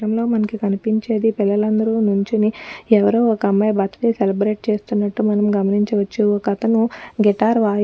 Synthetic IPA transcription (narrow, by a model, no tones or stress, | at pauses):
ɐmlo̞ːmɐnɐkikɐnipiɲt͡ʃe̞ːd̪ipilːɐlɐnd̪ɐɾunuɲt͡ʃiniɛʋɐɾuːɔkɐmːɐjɐbɐt̪ʰːɐ̥t̪iselɐbɾe̞ːʈ̚t͡ʃe̞ːst̪unːɐʈːumɐnɐmɡɐmɐniɲt͡ʃiʋɐt͡ʃːiokɐt̪ɐnuɡɛʈaːɾʋaː